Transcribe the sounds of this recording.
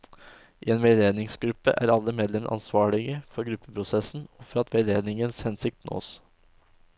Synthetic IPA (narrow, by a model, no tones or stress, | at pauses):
ʔiːeːnʋeːd̪eːd̪nɪŋsɡɾʉpːə̰ʔæ̰ːɾɑlːəmeːd̪lɛmʔɑ̰nsʋɑːɭɪɡəfɔɾɡɾʉpːəpʰɾʊsɛsn̩ɔfɔɾɑt̪ʰʋed̪eːd̪nɪŋənshɛnsɪk̚t̪no̰ːs